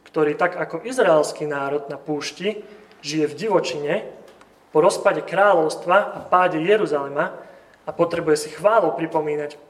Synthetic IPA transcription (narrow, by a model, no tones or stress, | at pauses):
kt̪ɔɾiːt̪aɡakɔʔizɾaɛlskiːnaːɾɔd̪napuːʃci | ʒijɛvɟiʋɔt͡ʃiɲɛ | pɔɾɔspaɟɛkɾaːlɔʊst̪ʋaʔapaːɟɛjɛɾuzalɛma | apɔt̪ɾɛbujɛsixʋaːlɔpɾipɔmiːnac